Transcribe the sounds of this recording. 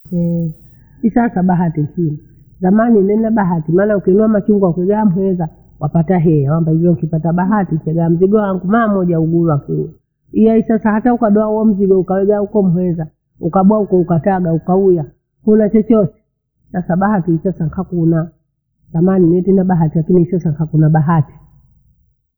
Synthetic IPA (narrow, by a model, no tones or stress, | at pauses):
ɛ | isasaɓaɦatisimi | zamaninɛnaɓaɦatimaːnaukiɛnuamat͡ʃuŋɡwakuɛɡaam̩hwɛza | wapataɦɛjawambaiviɔŋkipataɓaɦatin̩sɛɡaam̩ziɡɔwaŋɡumamɔʄauɡuɾwakuɛ | ijaisasahataukaɗɔauɔm̩ziɡɔukawɛɡaukɔm̩ɦwɛza | ukaɓwaukɔukataɡaukauja | hunat͡ʃɔt͡ʃɔsɛ̥ | sasaɓahatiisasaŋkakuna | zamaninɛtɛnabaɦatilakiniisasaŋkakunaɓaɦati̥